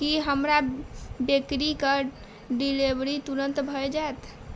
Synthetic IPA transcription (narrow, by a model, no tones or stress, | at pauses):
kiɦəmɾabekɾikə | ɖilebɾit̪uɾənt̪bʱəjd͡ʒaet̪ʰ